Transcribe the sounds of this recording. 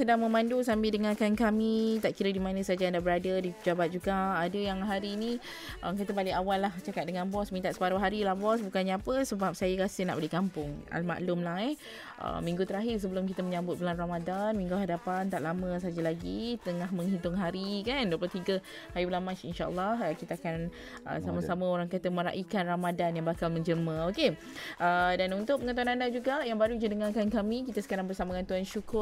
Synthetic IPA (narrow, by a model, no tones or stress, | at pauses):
sədaŋmə̃mãndus̬ambɪldəŋakankamit̪aʔkiɾədimanə̃sad͡ʒandabəɾadədipəd͡ʒabat̪̚d͡ʒuɡaadəjaŋɦaɾinĩ | ʔəmk̬it̪əbaliʔawalːaht͡ʃakat̪̚dəŋanbɔsmint̪aʔ̪skaɾuɦaɾilahbɔsbukanɲaapəsəbap̚sajəkasənaʔbəlikampʊŋa̰lma̰ʔlʊmlahɛ | ʔə̰mĩŋɡut̪əɾaɦɪrs̬əbəlʊmkit̪əməɲãmbʊt̪̚bəlanramadanmĩŋɡuɦadapant̪aʔlamə̃s̬ad͡ʒalaɡit̪əŋaɦmə̃ŋɦit̪ʊŋɦaɾikanduəpəlot̪iɡə | hajubəlamat͡ʃinʃaʔə̰lːɑhəkit̪aakan | ə̰samasamə̃oɾaŋkat̪əmə̃ɾa̰ʔikanramadanjaŋbakalmə̃ɲd͡ʒəməoke | ʔədanunt̪ʊʔ̚məŋãnt̪uwanandad͡ʒuɡajaŋbaɾud͡ʒədəŋarkankamikit̪asə̥kaɾaŋbərsamãŋant̪uanʃukʊr